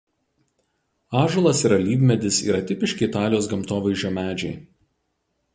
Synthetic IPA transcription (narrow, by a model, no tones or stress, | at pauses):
ɑːʒʊlˠɐsɪɾɐlʲiːʋʲmʲɛd̪ʲɪsḭːɾɐt̪ʲɪpʲɪʃʲkʲɪɪt̪ɑːlʲɪjoːs̬ɡɐmt̪oːʋɐɪʒʲoːmʲæːd͡ʒʲɛɪ